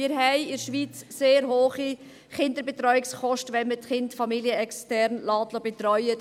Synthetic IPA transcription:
mɪːɾɦɛɪɪɾʃʋiːt͡sseːɾɦoːχi | χɪndəɾbɛtɾɔʏɪksχɔʃtʋɛnmətχɪndfɑmiljəɛkstɛɾnlɑːtlɔbɛt̪ɾɔʏə

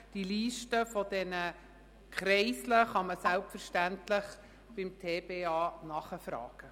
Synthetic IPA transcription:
d̥iliːʃtəfɔdɛnə | kʰχɾɛɪsləχɑməsælpfəɾʃtæntlɪχ | b̥ɪmtʰeːbeːɑːnɑχəfɾɑ̰ːɡ̥ə

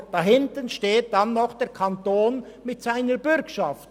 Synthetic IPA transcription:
d̥ɑɦɪntənʃteːt̚d̥ɑnːɔχd̥ɛːɾkʰɑntoːn | mɪtsaɪnəbʏɾkʃɑft

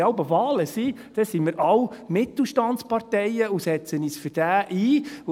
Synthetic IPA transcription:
ɑwbəvɑːləsid̥ɛsimɪɾʔɑwmɪt̪l̩ˠʃtɑntspɑrtɛjəusɛt͡səniːsfʏd̥æːʔiː

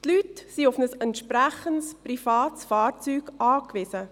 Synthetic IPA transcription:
tlytsiʊfnəsɛntʃpɾæχənsprifɑːtsfɑːɾt͡syːɡʔɑːkʋɪsə

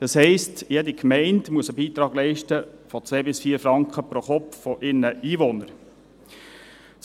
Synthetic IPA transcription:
d̥ɑshɛɪstjɛdikʰmɛɪntmuəsəbiːt̪ɾɑːɡ̥lɛɪʃtəfɔt͡sʋeːbɪsfiːəɾfɾɑŋkχəpɾɔχɔpffɔʔɪɾnəʔiːvonəɾ

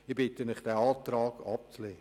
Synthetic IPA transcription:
ɪbɪtəmɪχd̥ɛːɑːtɾɑːɡ̥ɑ̰p̚t͡sleː

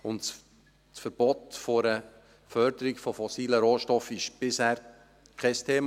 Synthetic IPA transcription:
ʊnt | sfəɾb̥ɔt̪fɔɾə | fœɾd̥̪əɾɪɡfɔfɔsiːləɾoːʃtɔfɪʃb̥ɪshæːɾ | kʰɛst̪ʰeːm

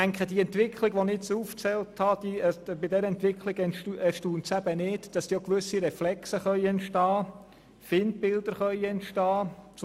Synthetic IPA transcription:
æŋkχəd̥iɛntʋɪkχlɪɡʋonɪt͡suft͡sɛlthɑd̥̪ibɪdɛɾəɛntʋɪkχlɪɡ̥nɛʃtuːnsæb̥ənɪːdd̥ɑsd̥iːokʋɵsiɾɛflɛksəχœʏɛntʃtɑː | fɪnd̚bɪld̥̪əɾχœʏɛntʃtɑːt͡s

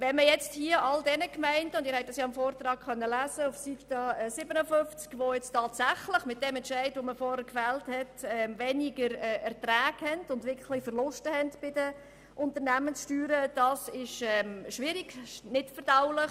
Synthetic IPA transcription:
ʋɛnməjɛt͡sthiəʔɑldɛnəkmæɪndəʊndɪːɾhɛtd̥ɑsjɑːɪmfoːɾtɾɑːkχœnːəlæːzəʊfsittɑɛːsɪbənəfʏft͡skʋojɛt͡stɑːtsæχləχmɪt̚d̥ɛmɛntʃæɪdʋoməfɔːɾəkfæːlthɛtɛmvɛniɡəɾɛːɛɾtɾæːɡ̥hɛndʊndʋɪkχlɪfəɾlʊstəhɛntb̥ɪd̥ə | ʔʊntəɾnæmənsʃtyːɾəd̥ɑsɪʃɛmʃʋɪɾiɡ̥nɪtfəɾd̥aʊlɪχ

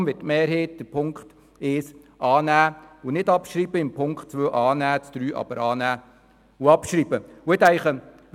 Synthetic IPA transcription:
mʋɪtːmɛːɾɦeːt̚d̥əpʰʊŋkχt | eːs | ʔɑːnæːʊnɪdɑpʃɾiːbəɪmpʰʊŋkχt̚t͡sʋøːʔɑːnæːt͡sd̪̥ɾyːʔɑ̰b̥əɾɑːnæː | ʊɑpʃɾiːbəʊɛt̪æɪχə | ʋ

